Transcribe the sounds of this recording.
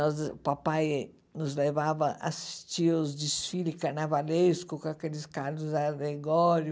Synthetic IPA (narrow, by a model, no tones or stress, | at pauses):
ɔzpapaj | nʊzlevavɐʔa̰si̥st͡ʃiozd͡ʒisfilikaɾnavaleskʊkõakelɪskaɾlʊzaɡleɡɔɾjʊ